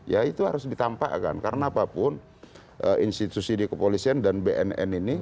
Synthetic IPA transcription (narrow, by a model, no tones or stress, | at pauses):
jait̪uɦaɾʊsdit̪ampa̰ʔka̰nkaɾənaːpapʊn | ʔəʔinsit̪usidikəpolisiandanbeʔɛ̰nɛ̰nini